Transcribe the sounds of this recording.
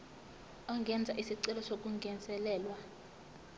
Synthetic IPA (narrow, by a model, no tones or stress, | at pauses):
ɔŋɡʱɛnd͡zʱaʔisiǀilɔsok̬ʼuŋɡʱɛnd͡zʼɛlɛːlwa